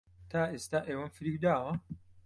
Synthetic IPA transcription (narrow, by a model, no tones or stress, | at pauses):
t̪ʰaːʔeːst̪aːʔeːwɐnfɨɾiːwd̪aːwɐ